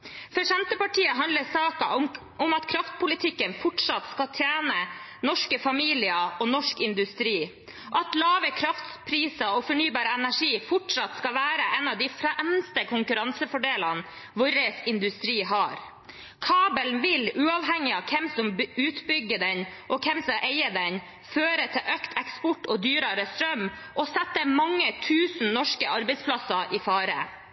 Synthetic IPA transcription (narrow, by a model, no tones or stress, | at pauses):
fɔʂɛnt̪əpɑʈʰiːəɦɑnd̪ləsɑːkɑ | ʊmɑt̪kʰɾɑft̪̚pʰʊlɪt̪ʰɪkːənfɔʈʂɑt̪skɑt̪ʰjæːnənɔʂkəfɑmiːlɪəoːnɔʂkɪnd̪ʉst̪ɾiː | ɑt̪lɑːʋəkʰɾɑft̪pʰɾiːsəɔfɔɳyːbɑːɾəɛnæʂiːfɔʈʂɑt̪skɑʋæːɾəʔɛnɑːʋd̪ɪfɾɛmst̪əkʰʊŋkʉɾɑnsəfɔɖeːlɑn | ʋʊɾəsɪnd̪ʉst̪ɾiːɦɑɾ | kʰɑːbəlnʋɪlʉːɑːʋɦɛŋːɪɑʋkʰɛmsɔmʉːt̪bʏɡːəd̪ɛnʔɔkʰɛmsɔmʔeɪəd̪ɛn | føːɾət̪ʰɪlʔœkt̪ʰɛkspɔʈːɔd̪yːɾɑɾəst̪ɾœm | ʔɔsɛt̪ːəmɑŋːət̪ʰʉːsn̩nɔʂkəɑɾbɛɪspʰlɑsɑʔɪfɑːɾə̰